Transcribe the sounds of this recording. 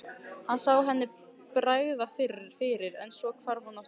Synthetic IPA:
hansaːwɦɛnːɪ | pɾaːjɣðafɪɾɪ̥fɪɾɪɾɛnsɔɣkʰvaɾhunːawh

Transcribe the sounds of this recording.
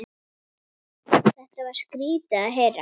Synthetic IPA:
θɛht̪avaɾ̥skɾiːt̪aɦɛɾa

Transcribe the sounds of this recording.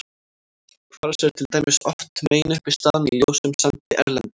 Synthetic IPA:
kʰvaɾḁsɛɾ̥t̪ʰɪlt̪aːjmɪsɔft̪meːjnʏhpɪst̪aːðnɪljowsʏmsant̪ɪʔɛɾlɛnt̪ɪ̥

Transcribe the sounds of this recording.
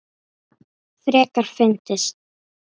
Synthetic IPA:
θɾɛːkaɾ̥fɪnt̪ɪst̪̚

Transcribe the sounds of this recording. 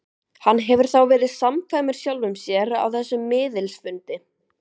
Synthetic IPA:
hanːɦɛvʏɾ̥θawvɛːɾɪðsamkʰvajmɪɾ̥sjawlvʏmsjɛɾa̰wθɛsːʏmːɪːðɪlsfʏnt̪ɪ

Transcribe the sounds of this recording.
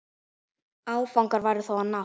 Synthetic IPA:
aːwfawŋkaɾvajɾɪθɔwana

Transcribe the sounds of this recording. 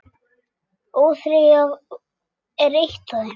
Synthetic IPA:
oːθɾɪɣav | ɛɾejht̪aðɪ

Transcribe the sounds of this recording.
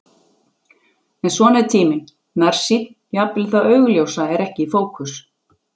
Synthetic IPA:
ɛnsvɔːnɛɾt̪ʰiːmɪn | naɾ̥sit̪n̥japlɪθawœɥɣʏljoːwsaɛɾɛhcɪifoːwkʰʏs

